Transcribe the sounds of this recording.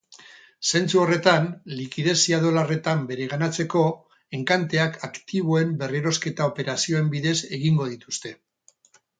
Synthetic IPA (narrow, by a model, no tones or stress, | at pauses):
se̞nt͡suo̞re̞t̪anlikiðe̞siaðo̞lare̞t̪ambe̞ɾe̞ɣ̞anat͡se̞ko̞ | e̞ŋkant̪e̞akakt̪iβo̞e̞mbe̞riɾo̞ske̞t̪ao̞pe̞ɾasio̞e̞mbiðe̞se̞ɣiŋɡo̞ðit̪ust̪e̞